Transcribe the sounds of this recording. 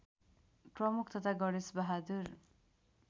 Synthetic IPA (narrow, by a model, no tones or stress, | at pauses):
prʌmukʰt̪ʌt̪ʰaɡʌɽesbaɦad̪uɾ